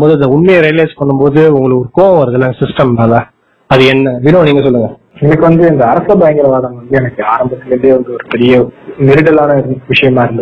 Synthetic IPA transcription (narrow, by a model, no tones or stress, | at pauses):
boːðɯɐðɐʊɳmɛjɐɾɛːleːspɐɳːɯmboːðɯʊŋɡɐɭɯkɔɾɯkoːɐ̃ʋɐɾɯðɐlɐ̃sɪsʈɐmnaːlɐ | ɐðɯɛnːɐʋɪnoːniːŋɡɐsɔlːɯŋɡɐ | ɛnɐkːɯʋɐnd̪ɯɪnd̪ɐɐɾɐsɐbɐjɐŋɡɪlɐʋaːðɐmʋɐnd̪ɯɛnɐkːɯaːɾɐmbɐt̪ːɪlɐɾɯnd̪ɯʋɐnd̪ɯɔɾɯpɛɾɪjɐmɪɾɪʈːɐlaːnɐɪɾɯnʋɪʂɐjɐmaːɪɾɯnd̪ɐ